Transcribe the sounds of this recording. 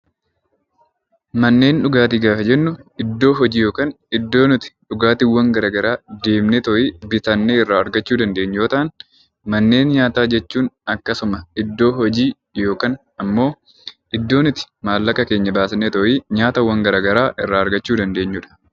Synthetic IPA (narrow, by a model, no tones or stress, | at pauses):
mɐnːe̞ːnᶑʊɡaːt̪iɡaːfɐd͡ʒɛnːʊɪd̪ːo̞ːɦɔd͡ʒiːjo̞ːkaːn | ɪd̪ːo̞ːnʊt̪ɪ̥ᶑʊɡaːt̪ɪwːɐŋɡɐɾɐːɡɐɾaːd̪e̞ːmnɛt̪ɔʔiːbɪt̪ɐnːeɪrːaːɐɾɡɐt͡ʃːuːd̪ɐnd̪e̞ːɲːjoːt̪ɐʔɐn | mɐnːe̞ːnɲaːt̪aːd͡ʒɛt͡ʃːuːnɐkːɐsʊmɐɪd̪ːo̞ːɦɔd͡ʒiː | jo̞ːkɐːn | ɐmːo̞ː | ʔɪd̪ːo̞ːnʊt̪ɪ̥maːlːɐkːɐke̞ːɲːɐbaːsnɛt̪ɔʔiːɲaːt̪ɐwːɐŋɡɐɾaɡɐɾaːʔɪrːaːɐɾɡɐt͡ʃːuːd̪ɐnd̪e̞ːɲːʊᶑɐ̥